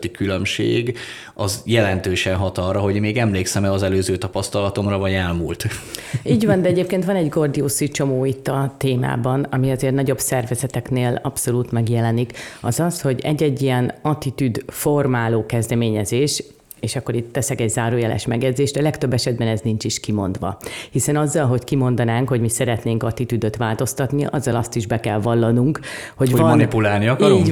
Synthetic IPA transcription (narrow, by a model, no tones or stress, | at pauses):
t̪ikylømʃḛːɡ | ɒzjɛlɛnt̪øːʃɛnɦɒt̪ɒrɒɦo̞ɟmeːɡɛmleːksɛmɛɒzɛløːzøːt̪ɒpɒst̪ɒlɒt̪o̞mrɒvɒɟɛlmuːlt̪iːɟvɒnd̪ɛɛɟeːp̚keːnt̪ʋɒnɛɟɡo̞rd̪ioːsit͡ʃo̞moːit̪ːɒt̪eːma̰ːbɒnɒmiɒzeːrnɒɟo̞bsɛrvɛzɛt̪ɛkneːlɒpso̞luːt̪mɛɡjɛlɛnikɒzɒsho̞ɟɛ̰ɟːɛɟːijɛnɒt̪it̪yd̪fo̞rmaːloːkɛzd̪ɛmeːɲɛzeːʃ | eːʃɒkːo̞ɾit̪ːɛsɛkɛɟzaːɾoːjɛlɛ̰ʃmɛɡjɛd̪zeːʃt̪ɛlɛkt̪øbːɛʃɛd̪̚bɛnɛznint͡ʃiʃkimo̞nd̪ʋɒ̰hisɛnɒzːɒlɦo̞ckimo̞n̪d̪ɒnaːŋkho̞ɟmisɛɾɛt̪neːŋkɒt̪it̪yd̪ø̞t̪ʋaːlt̪o̞st̪ɒt̪niʔɒ̰zːɒlɒst̪iʒbɛkɛlvɒlːɒnuŋk | ho̞ɟvɒmɒnipulaːlniɒkɒo